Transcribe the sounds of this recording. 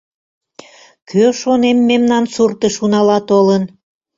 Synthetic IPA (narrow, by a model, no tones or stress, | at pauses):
kʰøʃonemːemnɑnsurt̪əʃunɑlɑt̪olən